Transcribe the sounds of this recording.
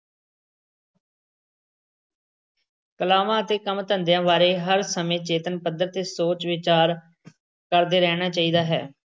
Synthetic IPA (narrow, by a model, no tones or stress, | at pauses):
kəlaːʋãːət̪eːkəmt̪ənd̪jãːʋaːɾeːɦəɾsəmẽːt͡ʃeːt̪ənpəd̪əɾt̪eːsoːt͡ʃʋɪt͡ʃaːɾ | kəɾd̪eːɾɛːñaːt͡ʃaːiːd̪aːɦɛ̰ː